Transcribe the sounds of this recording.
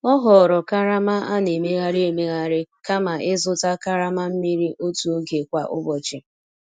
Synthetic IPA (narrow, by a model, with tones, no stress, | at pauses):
ɔ˦ɦɔ˨ɾɔ˨ka˦ɾa˦ma˦ʔa˦ne˨me˦ɣa˦ɾɪ˦e˨me˦ɣa˨ɾɪ˦ka˦ma˨ʔɪ˦zʊ˦ta˦ka˦ɾa˦ma˦m̩˦mi˦ɾi˦ʔo˦tu˨o˦ɡe˨kʷa̰˨ʔʊ̰˦bɔ˨t͡ʃɪ˨